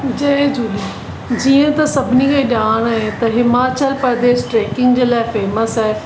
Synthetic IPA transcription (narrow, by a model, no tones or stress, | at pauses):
d͡ʑɐed͡ʑuːliː | d͡ʑiːə̃t̪ɐsɐbʱɪnikeiɗaːɽ̃ɦẽt̪ɐɦɪmaːt͡ɕəlpəɾd̪eːsʈɾeːkɪ̃ŋɡd͡ʑeːlaːɪfeːməsɦɛː